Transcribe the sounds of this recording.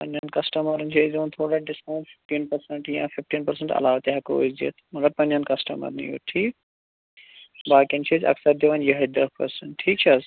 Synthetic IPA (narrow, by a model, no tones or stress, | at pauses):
pɐ̃nankɐsʈɐmɐɾnt͡ʃʰezõːnt̪ʰoːɽaːɖɪsãfɪ̥fʈiːnpɐɾsə̃ɳʈjã̰ːfɪfʈiːnpɐɾsə̃ɳʈɐ̰laːʋt̪eɦɐko̰zḭt̪ʰmɐɡɐɾpɐ̃nd͡ʒankɐsʈɐmɐ̰ɾnḭjo̰ːʈʰiːk | baːkint͡ʃʰesɐ̰ksɐɾd̪eʋanjɐɦɐd̪ɐpɐ̰ɾsə̃ɳʈʈʰːiːk̚t͡ʃʰɐs